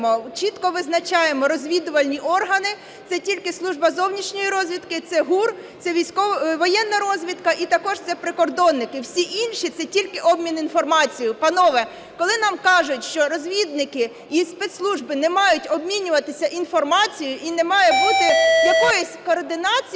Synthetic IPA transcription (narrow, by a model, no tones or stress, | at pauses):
mɔt͡ʃit̪kɔʋɪznɐt͡ʃɑjemɔɾɔzʲʋʲid̪ʊʋɐlʲnʲiʔɔrɦɐnɪ | t̪sɛtʲilʲkɪslˠuʒbɐzɔwnʲiʃnʲɔjiɾɔzʲʋʲid̪kɪt̪sɛɦur | sɛʋʲijsʲkɔʋɔjɛnːɐɾɔzʲʋʲid̪kɐʔit̪ɐkɔʒt̪sɛpɾɪkɔrd̪ɔnːɪkɪwsʲiʔinʲʃit̪sɛtʲilʲkɪʔɔbmʲininfɔrmɑt͡sʲijʊpɐnɔʋɛ | kɔlˠɪnɑmkɑʒʊtʲʃt͡ʃɔɾɔzʲʋʲid̪nɪkɪ | ispɛt̪slˠuʒbɪnɛmɑjʊtʲɔbmʲinʲʊʋɐt̪ɪsʲɐʔinfɔrmɑt͡sʲijʊʔinɛmɑjɛbut̪ɪjɐkɔjʊsʲkɔːrd̪ɪnɑt͡sʲ